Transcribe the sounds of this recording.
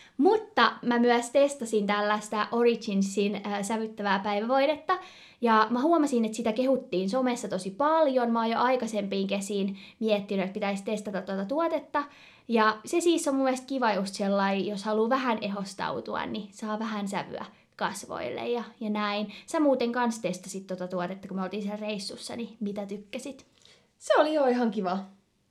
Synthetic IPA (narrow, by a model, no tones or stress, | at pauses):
mut̪ːɑmæmyæst̪est̪ɑsint̪ælːæst̪æʔorit͡ʃinsːinːsæʋyt̪ːæʋæːpæiʋæʋoinet̪ːɑ | jɑmæhuomɑsinet̪sit̪ækehut̪ːiːnsomesːɑt̪osipɑljonmɑoːjoʔɑikɑsempiːŋkesiːnmiɛt̪ːinyet̪̚pit̪æist̪est̪ɑt̪ɑt̪t̪ːuot̪ɑt̪uot̪et̪ːɑ | jɑsesiːsːomumːielst̪̚kiʋɑjost̪selːɑijoshɑluːʋæhæneɦost̪ɑ̰ut̪uɑ̰nnisɑːʋæhænsæʋy̰æ̰ | kɑsʋo̰ilːḛjjɑjɑnæinsæmuːt̪eŋkɑnst̪est̪ɑsit̪t̪ot̪ɑt̪uot̪et̪ːɑkumeolt̪iːnsielreisːusːɑ̰nimit̪æt̪ykːæsit̪ | seolijoiɦɑŋkiʋɑ